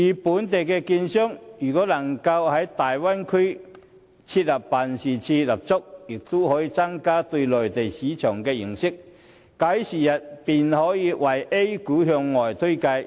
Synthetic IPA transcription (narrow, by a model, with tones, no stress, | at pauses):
jiː˨˩puː˨˥nt̪̬e˨jkɛː˧kiː˧nsœ˥ŋjyː˨˩kɔː˨˥lɐ˨˩ŋkɐ˧whɐ˨˥jt̪aː˨jwa˥nkʰɵ˥ | t͡sʰiː˧t̚lɐ˨˩p̚paː˨˩nsiː˨˩t͡sʰiː˧lɐ˨p̚t͡sʊ˥k̚jɪ˨˩k̚t̪o˥hɔː˨˥jiː˧t͡sa˥ŋkaː˥t̪ɵ˧ɥlɔː˨jt̪e˨jsiː˨˦˥t͡ʃʰœː˨˩ŋkɛː˧jɪ˨˩ŋsɪ˥k̚ | kaː˨˥jsiː˨˩jɐ˨t̚piː˨˩nhɔː˨˥jiː˨˧wɐ˨˩jʔe˥jkuː˨˥ɦœ˧ŋːɔː˨˩jt̪ʰɵ˥kɐ˧j